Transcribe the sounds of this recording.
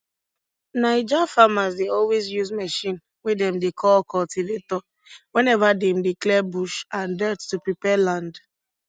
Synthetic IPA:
naɪd͡ʒafamazdeɔlwezjuzmɛʃĩn | wedɛ̃mdekʰɔlkɔltivetɔ | wɛ̃nɛvadɛmdiklɛbuʃãndɛttupɹipɛlãnd

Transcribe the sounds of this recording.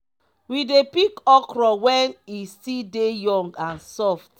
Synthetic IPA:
widepikɔkɹɔwɛnisidejɔ̃ŋɡãnsɔft

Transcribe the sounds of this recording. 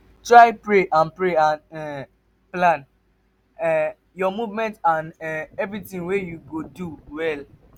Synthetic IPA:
tɹaɪpɹeʔãnpɹeãnɛ | plãn | ɛ | jɔmuvmɛ̃ntãnɛɛvɹitĩŋwejuɡoduwɛl

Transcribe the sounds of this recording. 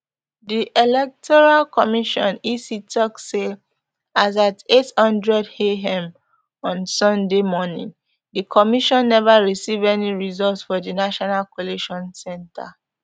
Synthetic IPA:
diʔelɛk̚tɔɹalkɔmiʃɔ̃nisitɔkse | azatethʌ̃ndɹɛdheɦɛ̃m | ɔ̃nsɔ̃ndemɔnḭ̃ŋ | dikʰɔmiʃɔ̃nːɛvaɹisivɛniɹizɔltsfɔdinaʃɔnalkoleʃɔ̃nsɛ̃nta̰

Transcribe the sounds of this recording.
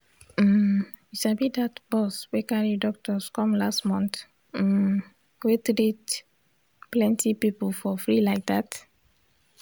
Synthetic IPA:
m̩ | iʃabidatb̥ɔswekaɹidɔk̚tɔskɔ̃mlastmɔ̃nt̩ | wetɾet | plɛ̃ntʰipipɔlfɔfɹilaɪk̚dat

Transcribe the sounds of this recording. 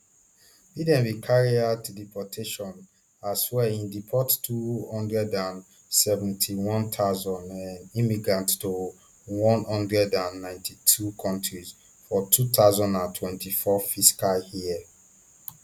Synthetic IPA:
bidɛ̃nvikʰaɹiatlipʰɔtʰeʃɔ̃n | aswɛĩndipʰɔttʰːuhɔ̃ndɹɛdãn | sɛvɛ̃ntʰiwɔ̃nt̪ʰaʊzɔ̃nãnimiɡɹãntto | wɔ̃nhɔ̃ndɹɛdãnːãɪ̃ntʰitʰukʰɔ̃ntʰɹiz | fɔtʰut̪aʊzɔ̃ndãntʰwɛ̃ntʰifɔfiskalhiɛ

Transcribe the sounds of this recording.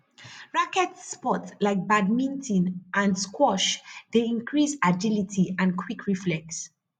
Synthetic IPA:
ɹakɛtspɔtlaɪk̚bad̚mĩntʰĩnʔãnskwɔʃd̥eĩnkʰɹisad͡ʒilitʰiãnkʰwikʰɹiflɛks

